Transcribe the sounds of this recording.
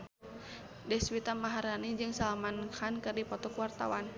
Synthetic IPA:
dɛswit̪amaɦaɾanid͡ʒɨŋsalamankankɨrdipɔt̪ɔkwart̪a̰wan

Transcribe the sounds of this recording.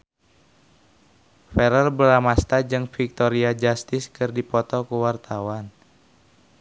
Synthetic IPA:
fɛɾərbəɾamast̪ad͡ʒɨŋfik̚t̪ɔɾiad͡ʒast̪ɪskɨrdipɔt̪ɔkuwart̪ʰawan

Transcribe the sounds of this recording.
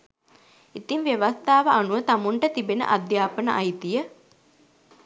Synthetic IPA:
it̪iŋʋeʋast̪aːʋəanuʋət̪amuɳʈət̪ibenə̰ʔad̪jaːpənəʔajt̪ijə

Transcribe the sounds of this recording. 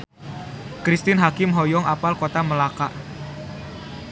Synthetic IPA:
kɾist̪ɪnɦakɪmɦɔjɔŋapalkot̪aməlakaʔ

